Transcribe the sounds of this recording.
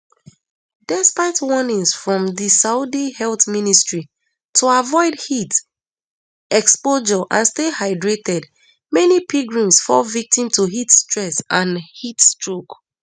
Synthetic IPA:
dɛspaɪtwɔnĩŋsfɹɔ̃mðisaudihɛltministɹi | tʰuavɔɪdhit | ɛkspoʒɔʔã̰nstehaɪdɹetɛd | mɛnipiɡɹĩmsfɔvik̚tĩmtʰuɦitstɹɛsãnhitstɹok

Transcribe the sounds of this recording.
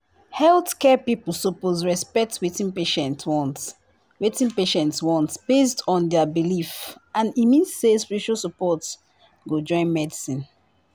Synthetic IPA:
hɛltkɛpiplˠsopozɹɛspɛk̚twetĩnpeʃɛ̃ntwɔ̃nt | wetĩnpeʃɛ̃ntswɔ̃ntb̥estɔ̃ndɛəbilifãnimĩnssespiɹiʃalsəpɔt | ɡod͡ʒɔ̃ɪ̃nmɛdisĩn

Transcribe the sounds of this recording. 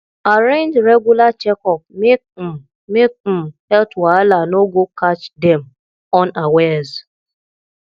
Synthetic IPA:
aɾẽnd͡ʒɾeɡulat͡ʃɛkɔp̚mek̚ | mek̩̚hɛltwalanoɡokat͡ʃdɛm̩ | ɔnawez

